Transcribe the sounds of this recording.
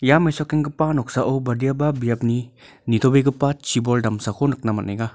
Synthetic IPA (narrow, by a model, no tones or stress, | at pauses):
jamejsɔkiŋɡɯpanɔk̚saʔowbɐdijababijap̚ninit̪ʰobeɡɯpat̚t͡ʃibɔldamsakʰonɯk̚namanajɡa